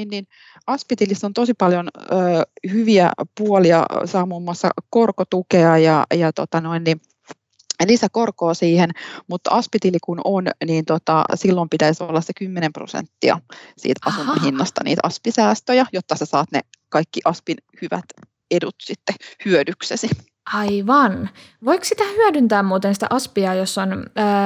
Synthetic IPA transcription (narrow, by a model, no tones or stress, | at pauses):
nnin | ɑspit̪ilisːont̪osipɑljonøːhyʋiæ̰puoliɑ̰sɑːmuːmːuɑsːɑ̰korkot̪ukeɑjɑjɑt̪ot̪ɑnoinːi | lisækorkoːsiːhenmut̪ɑspit̪ilikunonniːnt̪ot̪ɑ̰silːompit̪æisoolːɑssekymːenempro̰sḛnt̪ːiɑ̰sḭːt̪ɑsunɑhinːɑst̪ɑ̰nḭːt̪ɑspisæːst̪øjɑjot̪ːɑsesɑːt̪nḛ | kɑikːiʔɑspinhyʋæ̰t̪ | edut̪sit̪ːehyødyksesi | ʔɑiʋɑnʋoiksit̪æhyødynt̪æːmmuːt̪ensĭ̥t̪æ̰ʔɑspiɑjosːonː